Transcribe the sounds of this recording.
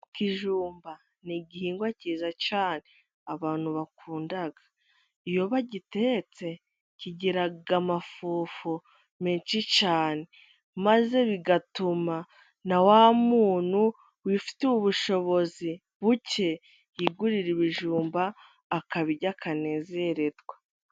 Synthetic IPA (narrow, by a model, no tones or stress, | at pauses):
kiʒuːmba | niɟihiːŋɡwaciːzacaːne̞ | aβaːn̥huβakuːndaɡḁ | ijo̞βaɟite̞t͡se̞ | ciɟiɾaɡamafuːfu | miːnt͡ʃit͡ʃaːne̞ | maze̞βiɡatuma | nawaːmuːn̥hu | wifi̥tuuβuʃo̞βo̞zi | βuce̞ | jiɡuɾiɾiβiʒuːmbaː | kaβiɟakʰane̞ːze̞ɾe̞dɡwa